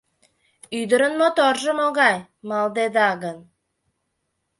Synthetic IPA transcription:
yjd̪ə̆ɾə̆nmot̪orʒɤ̆moɡɑj | mɑlˠd̪ed̪ɑɡən

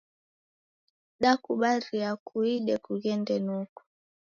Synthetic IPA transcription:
ɗakuɓaɾiakʰuiɗɛkuɣɛndɛnuku̥

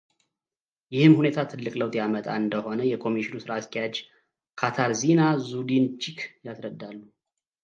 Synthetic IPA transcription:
jɪhɨmhune̞t̪ʰat̪ʰɨlːɨkʼləwt̪ʼjamət̪ʼa̰ɨnd̪əho̞nəjɛkʰo̞miʃinusɨɾaskʰʼɛjad͡ʒ | kʰat̪ʰaɾzinazud̪int͡ʃʰikʰjasɾəd̪ːalːu

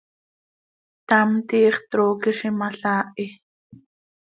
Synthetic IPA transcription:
t̪amt̪iːχt̪ɾoːkiʃimaɬaːʔi

